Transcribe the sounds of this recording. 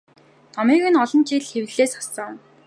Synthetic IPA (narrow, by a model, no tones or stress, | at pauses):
nɔmiːɣɘ̆nɔɮɞ̆nt͡ɕiɮxewɮeːsɔsɞ̆ŋ